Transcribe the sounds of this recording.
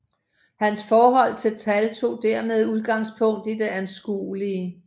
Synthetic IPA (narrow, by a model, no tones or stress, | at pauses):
hænsfɒːɦɒ̽l̰t͡sʰe̝lt͡sʰælt͡sʰo̝̰ːd̥æɐmeð̞ˠuð̞ˠɡ̥ɑ̈ŋspʰɔ̽ŋ̰d̥id̥e̝ænsɡ̥ṵːliə